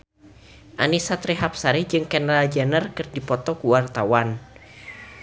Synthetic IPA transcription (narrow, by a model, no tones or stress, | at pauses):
ʔa̰nisat̪ɾiɦap̚saɾid͡ʒɨŋkɛnɾald͡ʒanərkɨrdipɔt̪ɔkuwart̪awan